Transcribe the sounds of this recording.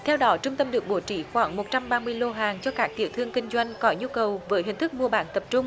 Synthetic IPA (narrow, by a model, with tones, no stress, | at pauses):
t̪ʰɛ˧wɗɔ˨˦t͡ɕʊ˧ŋ͡mt̪ə˧mɗɨ˨˩ək̚ɓo˧˩˦t͡ɕḭ˧˩˦xwaː˧˩˦ŋmo˨˩t̚t͡ɕa˧mɓaː˧mɨ˧əjlo˧ɦaː˨˩ŋt͡ɕɔ˧kaː˦˥k̚t̪ḭ˧˩əwt̪ʰɨ˧əŋkï˧ŋ̟zwa˧jŋ̟kɔ˨˦ɲu˧kə˨˩wvəː˨˦jɦï˨˩ŋ̟t̪ʰɨ˦˥k̚mu˧əɓa̰ː˧˦nt̪ə˨˩p̚t͡ɕʊ˧ŋ͡m